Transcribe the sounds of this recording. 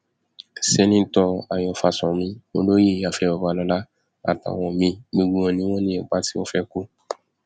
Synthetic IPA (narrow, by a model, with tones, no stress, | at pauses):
se˧nĩ˦tɔ˧a˨jɔ˨fa˧sɔ̃˨mĩ˦o˧˦lo˦je˦˨ja˨fɛ˧˦ɔ˧˨ba˧˨lɔ˧la˦ | a̰˨ta̰˨wɔ̃˨mĩ˧ɡ͡be˧ɡ͡bũ˨ɔ̃˨nĩ˦wɔ̃˦nĩ˦ɛ˨k͡pa˦ti˦wɔ̃˦fɛ˧ko˦